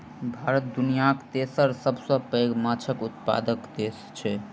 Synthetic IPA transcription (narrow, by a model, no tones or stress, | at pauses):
bʱaɾət̪̚d̪unijakt̪esəɾsəbsə̃pəɡmat͡ʃʰəkut̪̚pa̰d̪əkd̪est͡ʃʰɛ